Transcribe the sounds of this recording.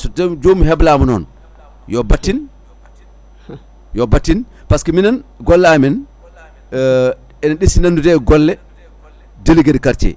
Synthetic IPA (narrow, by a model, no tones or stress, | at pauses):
sɔdɛmd͡ʒomiɦɛblaːmɔnɔn | jɔbatːin | jɔbatːin | paskɛminanɡɔlːamɛn | ɛnaɗisinandudɛɡɔlːɛ | deliɡedikaɾt͡ʃɛ̰